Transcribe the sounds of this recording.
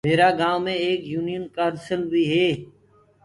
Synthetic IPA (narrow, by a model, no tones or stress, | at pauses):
meːɾaːɡaːʋmẽːeːkjuːnɪjənkaːɾsəlʋiːɦeː